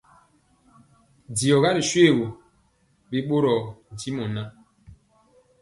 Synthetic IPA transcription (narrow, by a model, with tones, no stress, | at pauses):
di˨ɔ˨ɣa˦ɾi˨ʃwe˦˨ɣo˨ | bi˦ɓo˦ɾɔ˨n̩˨ti˦mɔ˨na˦